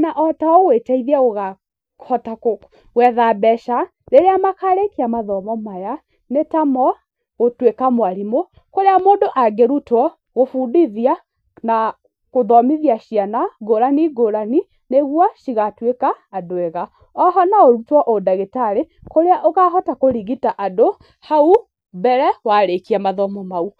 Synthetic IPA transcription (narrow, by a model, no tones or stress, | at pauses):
naʔɔtaowetaiðiaɣoɣa | hɔtako | wɛðabɛʃa | ɾeɾeamakaɾekeamaðɔmɔmaja | netamɔ | ɣotwekamwaɾimo | koɾeamoːndoʔaɡeɾutwɔ | ɣofudiðia | na | ɣoðɔmiðiaʃianaɡoɾaniɡoɾani | neɣwaʃiɣatwekaːdoɛɣa | ɔɦɔnaoɾutwɔʔodaɣetaɾekoɾeaʔoɣaːɦɔtakoɾiɣitaʔado | hau | bɛɾɛwaɾekiamaðɔmɔmau